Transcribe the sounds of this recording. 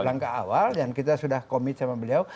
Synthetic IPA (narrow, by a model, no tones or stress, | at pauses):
laŋkaʔa̰waldankit̪asudahkomit̪̚samabəliaw